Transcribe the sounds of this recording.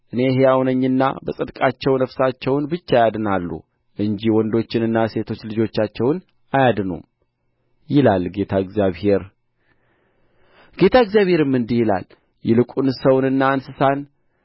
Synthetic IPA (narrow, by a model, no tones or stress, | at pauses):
ʔɨne̞ɦejawnəɲːɨnːa̰bəsʼɨd̪kʼat͡ʃːɛwnəfsat͡ʃːɛwnbɨt͡ʃːaajad̪ɨnalːṵ | ʔɨɲd͡ʒiwɔnd̪o̞t͡ʃːɪnɨnːase̞t̪ʰo̞t͡ʃːlɨd͡ʒo̞t͡ʃːat͡ʃːɛwn | ajad̪ɨnṵm | jɪlalɡe̞t̪ʰaɨɡzjaβhe̞ɾ | ɡ̥e̞t̪ʰaɨɡzjaβhe̞ɾɨmːɨnd̪ijila̰l | jɛlɨkʼunsəwnɨnːaːnsɨsan